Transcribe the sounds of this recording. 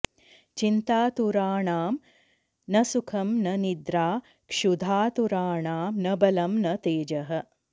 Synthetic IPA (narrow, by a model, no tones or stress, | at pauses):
t͡ʃint̪aːt̪uɾaːɳaːm | nɐsukʰɐmnɐnid̪ɾaː | kʂud̪ʱaːt̪uɾaːɳaːmnɐbɐlɐmnɐt̪eːd͡ʒɐɦɐ̆